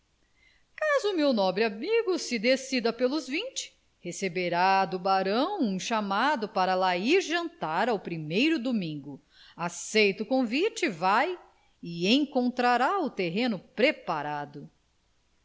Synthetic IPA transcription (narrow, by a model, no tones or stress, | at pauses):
kazʊmewnɔbɾɪamiɡʊsɪd̪esid̪ɐpelʊzvĩt͡ʃɪ̥ | hesebeɾad̪ʊbaɾɐ̃w̃ũʃamad̪ʊpaɾɐlaiɾʒɐ̃nt̪aɾawpɾimejɾʊd̪omĩŋɡʊ | asejt̪ʊkõvit͡ʃɪvaj | ɪẽj̃kõnt̪ɾaɾaʊt̪eɦẽnʊpɾepaɾad̪ʊ